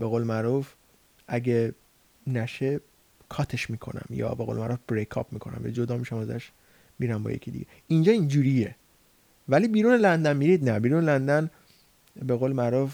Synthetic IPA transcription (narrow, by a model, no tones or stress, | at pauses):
b̥eɣoːlemæɾuf | æɟe | næʃe | kʰɒːt̪ʰe̞ʃmiːkʰo̞̰næ̰mjɒ̰ːbeɣo̰ːlemæɾufb̥ɾekʰɒ̰p̚miːkʰo̞næ̰mjɒ̰id͡ʒo̞d̪ɒːmiʃæmæzæ̰ʃ | miːɾæmbɒ̰jḛcʰid̪ḭɟe | ind͡ʒɒːind͡ʒuːɾie | væliːbiːɾuːnelænd̪ænmiɾiːd̪næbiːɾuːnelænd̪æn | be̞ɣoːlemæɾuf